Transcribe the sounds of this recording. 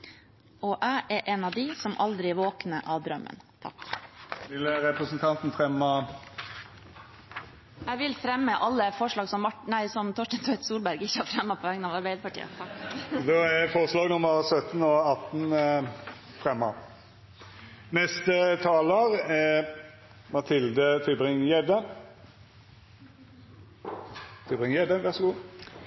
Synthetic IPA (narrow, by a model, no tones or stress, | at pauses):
ɔʔæʔæɾʔɛnɑʋd̪ɪsɔmʔɑ̰ld̪ɾɪʋoːknəʔɑʋd̪ɾœmːə̰nt̪ʰɑ̰kʋɪlɾɛpɾəsnt̪ʰɑnt̪n̩fɾɛmːɑ | æʋɪlfɾɛmːəʔɑlːəfɔʂɭɑːɡsɔmɑʈnæɪsɔmt̪ʰɔʂʈənsœʏt̪suːlbæɾɡɪçːəhɑɾfɾɛmːɑpʰɔʋɛŋːənɑːʋɑɾbæɪd̪əpʰɑʈʰḭːə̰ | d̪ɔæfoːʁəslɑːɡnʊmːəʁsœt̪nɔɑt̪ːn | fɾɛmɑ | nɛst̪ət̪ʰɑːləʁ | mɑt̪ʰɪld̪ət̪ʰʏbʁɪŋjɛd̪ə | t̪ʰʏbʁɪŋjɛd̪əʋæʁsɔɡuː